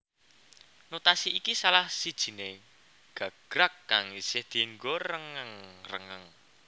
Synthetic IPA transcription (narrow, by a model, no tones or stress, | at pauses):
not̪asiikisalahsid̥ʒ̥i̤ne | ɡ̥a̤ɡ̥ɾakːaŋisɪhd̪̥i̤ŋɡɔrəŋəŋrə̰ŋəŋ